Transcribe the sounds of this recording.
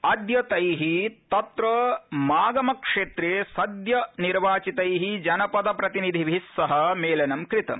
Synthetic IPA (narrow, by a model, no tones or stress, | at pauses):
ɐd̪jɐt̪ɐjɦit̪ɐt̪ɾɐmaːɡɐmɐkʂeːt̪ɾeːsɐd̪jɐniɾʋaːt͡ʃit̪ɐjɦid͡ʒɐnɐpɐd̪ɐpɾɐt̪inid̪ʱiʋʱisːɐɦɐ̆meːlɐnɐmkɾit̪ɐ̰m